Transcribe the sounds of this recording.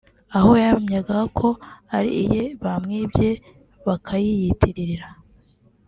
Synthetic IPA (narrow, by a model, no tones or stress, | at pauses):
aho̞jamɲaɡahakʰoaɾḭijeβamŋiːbje̞ | βakʰajijitʰiɾiɾiɾa